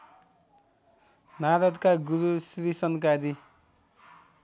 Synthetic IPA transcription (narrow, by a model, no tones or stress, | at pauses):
nad̪ʌd̪kaɡuɾusɾisʌnkad̪i